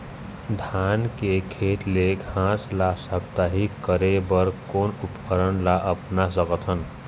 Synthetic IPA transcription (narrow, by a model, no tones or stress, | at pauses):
d̪ʱankekʰet̪leɡʱãslasəb̚t̪aɦikəɾebəɾkonupkəɾənlaʔəpnasəkət̪ɦən